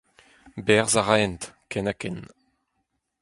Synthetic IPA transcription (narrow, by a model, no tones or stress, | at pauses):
bɛʁzaʁaɛnt̪kʰɛnakɛn